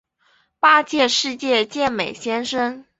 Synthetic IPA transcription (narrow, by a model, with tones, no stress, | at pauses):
pa˥t͡ɕjɛ˥˧ʂɻ̩˥˧t͡ɕjɛ˥˧t͡ɕjɛ˥˩nme˨˩ɪɕjɛ˥nʂə˥ŋ